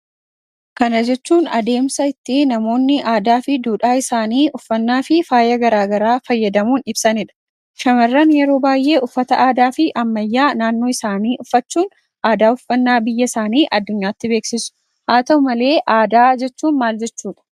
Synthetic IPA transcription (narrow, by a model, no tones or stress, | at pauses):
kɐnɐd͡ʒɛt͡ʃːuːnɐ̰d̪e̞ːmsɐɪt̪ːɪnɐmo̞ːnːɪʔaːd̪aːfɪd̪uːᶑaːɪsaːniːʔʊfːɐnːaːfɪfaːjɐɡɐɾaːɡɐɾaːfɐjːɐd̪ɐmuːnɪbsɐnɪᶑɐ̥ | ʃɐmɐrːɐnjɛɾo̞ːbaːjʔe̞ːʔʊfːɐt̪ɐʔaːd̪aːfɪʔɐmːɐjːaːnaːnːoːɪsaːniːʔʊfːɐt͡ʃːuːn | ʔaːd̪aːʊfːɐnːaːbɪjːɐsaːniːʔɐd̪ːʊɲːaːt̪ːɪbe̞ːksɪsʊ̥ | haːt̪ɐʊmɐle̞ːʔaːd̪aːd͡ʒɛt͡ʃːuːnmaːld͡ʒɛt͡ʃːuːᶑɐ̥